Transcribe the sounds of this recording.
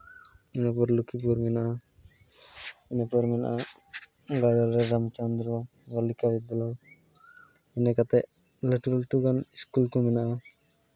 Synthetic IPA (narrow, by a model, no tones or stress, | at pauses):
ɛnapɔɾlukipɔɾmɛnaʔa | ɛnɛpɔɾmɛna̰ʔa | ɡajɔɾɾɛɾamt͡ʃand̪ɾɔ | walikabɛd̪ɔlɔ | ɛnɛkat̪ɛʔ | ləʈɾalʈuɡaniskulkɔmɛnaʔa